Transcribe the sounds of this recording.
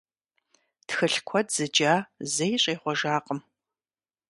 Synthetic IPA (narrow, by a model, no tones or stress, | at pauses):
txɨɬkʷʰɔdz̥ɨd͡ʒaːzɐjɕʼeːχʷɔʒaːqʼəm